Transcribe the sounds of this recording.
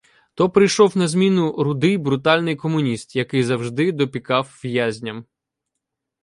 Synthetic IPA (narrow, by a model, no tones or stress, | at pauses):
t̪ɔpɾɪjʃɔwnɐzʲmʲinʊɾʊd̪ɪjbɾʊt̪ɑlʲnɪjkɔmʊnʲist̪jɐkɪjzɐwʒd̪ɪd̪ɔpʲikɑwʋjazʲnʲɐm